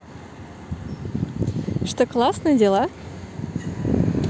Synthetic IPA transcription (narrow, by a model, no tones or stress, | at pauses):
ʂt̪oklˠasnɨjədʲelˠa